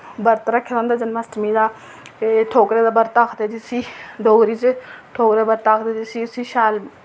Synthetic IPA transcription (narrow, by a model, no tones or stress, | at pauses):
bəɾt̪ɾaːkʰɪlãːnd̪aːd͡ʒənmasʈmiːd̪aː | ʈʰoːkɾeːd̪aːbəɾt̪aːkʰd̪eːd͡ʒ̪isiːɖ̪oːɡɾiːt͡ʃʈʰoːkɾeːbəɾt̪aːkʰd̪eːd̪isiːʊsiːʃaːl